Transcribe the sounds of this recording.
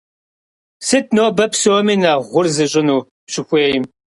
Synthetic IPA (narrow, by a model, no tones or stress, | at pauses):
sɨt̚ʰnoːbɐpsoːmiːnaːʁʷʊrzɨɕʼɪnuː | pɕɪxʷeːjɪm